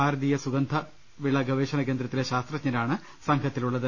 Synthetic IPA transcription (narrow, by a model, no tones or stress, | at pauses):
aːɾɐd̪ijɐsuɡɐnd̪ʱɐ | ʋiɭːɐɡɐʋeːɕɐnɐkend̪ɾɐt̪ːileɕaːst̪rɐt͡ɕɲɐɾaːɳɨ | sɐŋɡʰʱɐt̪ːiluɭːɐðɨ